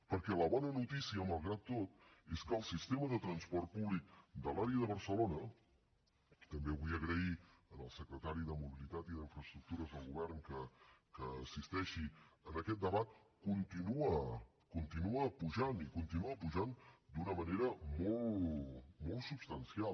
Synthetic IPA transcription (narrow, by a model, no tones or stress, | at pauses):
pəɾkɛləβɔnənut̪isiəməlˠɣɾat̪ːot̪̚eskəːlˠsist̪eməðət̪ɾənspɔrt̪̚puβlik̚d̪əlaɾiəðəβ̞əɾsəlonə | it̪əmbeβujəɣɾəiənəlˠsəkɾət̪aɾiðəmuβilit̪at̪iðiɱfɾəst̪ɾuk̚t̪uɾəzðəlˠɣuβɛrnkəkəːsist̪ɛʃiənəkɛt̪̚d̪əβat̪̚ | kunt̪inuə | kunt̪inuəpuʒanikunt̪inuəpuʒand̪unəməneɾəmolˠ | molˠsupst̪ənsialˠ